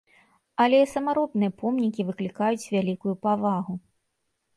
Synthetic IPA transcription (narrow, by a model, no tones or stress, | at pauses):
ɐlʲɛsɐmaɾɔt̪nɨjɐpɔmnʲik̬ʲivɨklʲikajut͡sʲvʲalʲikujupavaɣu